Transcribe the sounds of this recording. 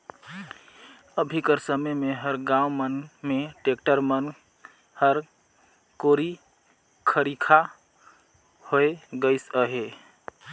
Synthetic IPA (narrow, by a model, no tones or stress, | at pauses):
əbʱikəɾsəməmeɦəɾɡãũmənmeʈekʈəɾmən | həɾ | koɾi | kʰəɾikʰa | hoeɡəɪsəɦe